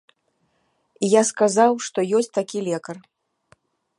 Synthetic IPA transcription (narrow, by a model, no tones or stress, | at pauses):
ijaskazawʂt̪ɔjɔsʲt͡s̚ʲt̪akʲilʲɛkɐr